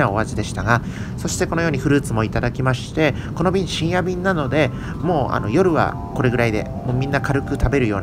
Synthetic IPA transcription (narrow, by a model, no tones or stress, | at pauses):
ao̞βaʑid̪e̞ɕi̥t̪aɡa | so̞ɕi̥t̪e̞kono̞jo̞ːɲ̟iɸɯ̟ɾɯ̟ːt͡sɨmo̞it̪ad̪akʲimaɕi̥t̪e̞ | ko̞no̞bʲĩɲiɕĩɰ̃jabʲĩnːano̞d̪e̞ | mo̞ːa̰no̞̰jo̞ɾɯ̟βa̰ | ko̞ɾe̞ɡɯ̟ɾaid̪e̞̰ | moːmʲĩnːakaɾɯ̟kɯ̟t̪abe̞ɾɯ̟jo̞ːn